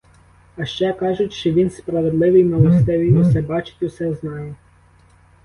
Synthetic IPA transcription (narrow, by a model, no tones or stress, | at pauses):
ɐʃt͡ʃɛkɑʒʊtʲʃt͡ʃɔʋʲinspɾɐʋed̪lˠɪʋɨjmɐlˠɐst̪ɪʋijɔsɛbɑt͡ʃɪ̥tʲʊsɛznɑjɛ